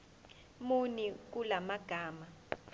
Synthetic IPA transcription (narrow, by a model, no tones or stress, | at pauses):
munik̬ʼulamaɡ̥ʱaːma